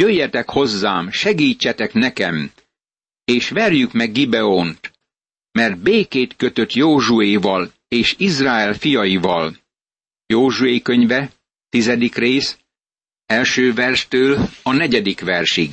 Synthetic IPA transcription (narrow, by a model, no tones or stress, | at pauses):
jøjːɛt̪ɛkho̞zːaːmʃɛɡiːt͡ʃːɛt̪ɛknɛkɛm | eːʃʋɛrjykmɛɡːib̪ɛont̪ | mɛrt̪̚beːkeːt̪kø̞t̪ø̞t̪joːʒueːvɒl | eːʃizraːɛlfijɒjivɒl | joːʒueːkø̞ɲvɛ | t̪izɛd̪ikreːs | ɛlʃøːvɛrʃt̪øːlɒnɛɟɛd̪ikʋɛrʃiɡ